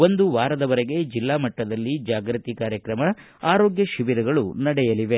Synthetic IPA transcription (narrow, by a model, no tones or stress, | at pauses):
o̞nd̪uʋaːɾɐd̪ɐʋɐɾeɡe̞d͡ʒilːaːmɐʈːɐd̪ɐlːid͡ʒaːɡɾɨt̪ikaːɾjɐkɾɐmɐ | aːɾo̞ːɡjɐʃiʋiɾɐɡɐɭunɐɽɛjɐliʋe̞